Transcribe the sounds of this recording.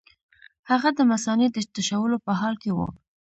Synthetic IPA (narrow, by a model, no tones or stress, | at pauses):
haɣad̪əmasɑned̪ət̪aʃawəlopəɦɑlkewṵ